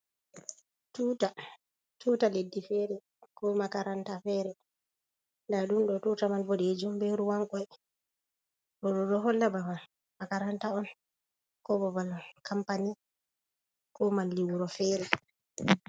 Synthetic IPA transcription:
tuta | tuːtaledːifɛɾɛ | kɔmakaɾantafɛɾɛ | ndaɗumɗɔtutamalbɔded͡ʒumbeɾuwaŋkɔj | ɔɗɔɗɔɦɔlːabaman | makaɾantaɔn | kɔbɔbalkʰampani | kɔmanliwuɾɔfɛːɾɛ

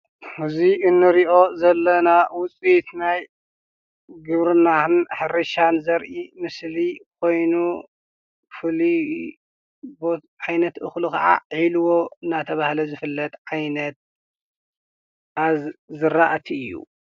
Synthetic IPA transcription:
ɨziɨnːɨɾiʔo̞zɐlːɐnawʊt͡sʼit̪naj | ɡɨβɾɨnaɨnħɨɾɐʃanzɐɾʔimɨslikʰo̞jnu | fɨli | bo | ʕajnɐt̪ʔɨxlukʰɐ̰ʕa̰ʕilɨwo̞ɨnːat̪ʰɐβahlɐzɨfɨlːɐt̪ʼʕajnɐt̪̚ | ʔazzɨɾaʔt̪ʰiɨjːṵ

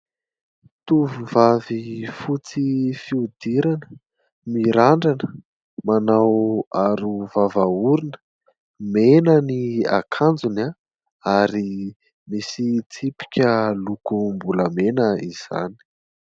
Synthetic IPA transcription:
t̪uvuvavifut͡sifiud̪iɾanə̥ | miɾaɳɖ͡ʐanə̥ | manawaɾuvavauɾinə̥ | menənia̰kʰand͡zuna | aɾi | misit͡sipi̥kʲəlukumbuləmenəiz̥a̰ni̥

